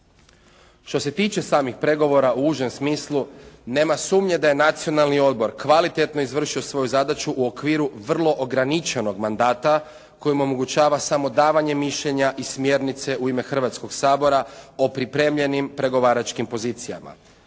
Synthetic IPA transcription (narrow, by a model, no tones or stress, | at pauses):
ʃt̪o̞se̞t̪iːt͡ʃe̞saːmixpɾe̞ɡo̞ʋo̞ɾaʔuuːʒe̞msmiːslˠune̞ːmasuːmɲe̞d̪aje̞nat̪sio̞nalnio̞d̪̚bo̞ɾkʋalit̪e̞t̪no̞izʋr̩ʃio̞sʋo̞juzad̪at͡ʃuʔuo̞kʋiːɾuʋr̩lˠo̞ʔoɡɾanit͡ʃe̞no̞ɡmand̪aːt̪a | ko̞jimo̞mo̞ɡut͡ʃaːʋasamo̞d̪aːʋaɲe̞miʃʎe̞ɲaʔismje̞ɾnit̪se̞ʔuime̞xr̩ʋat̪sko̞ɡsaːbo̞ɾao̞pɾipɾe̞ːmʎe̞nimpɾe̞ɡo̞ʋaːɾat͡ʃkimpo̞ziːt̪sija̰ma̰